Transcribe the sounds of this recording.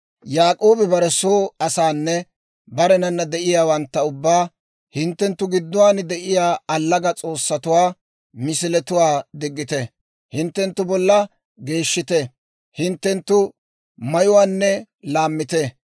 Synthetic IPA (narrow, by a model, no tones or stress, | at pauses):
jaːkʼoːbɪbɐɾɛsoːɐsaːnːɛ | bɐɾɛnɐnːɐd̪ɛʔɪjaːwɐnt̪ːɐʊbːaː | hɪnt̪ːɛnt̪ːʊɡɪd̪ːʊwaːnd̪ɛʔɪjaːɐlːɐɡɐt͡sʼo̞ːsːɐt̪ʊwaː | mɪsɪlɛt̪ʊwaːd̪ɪɡːɪt̪ɛ | hɪnt̪ːɛnt̪ːʊbɔlːɐ | ɡe̞ːʃːɪt̪ɛ | hɪnt̪ːɛnt̪ːʊ | mɐjʊwaːnːɛ | laːmːɪt̪ɛ